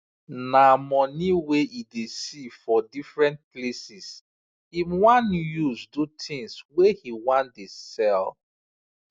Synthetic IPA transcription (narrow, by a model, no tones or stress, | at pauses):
namɔniweidesifɔdifɹɛ̃nt̚plesis | imwãnjuzdutʰĩŋswehiwãndesɛl